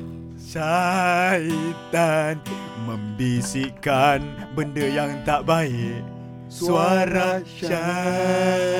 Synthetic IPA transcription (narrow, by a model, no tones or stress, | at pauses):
sa | it̪an | mə̃mbisikanbəndəjaŋt̪aʔbaiʔ | suaɾa | t͡ʃa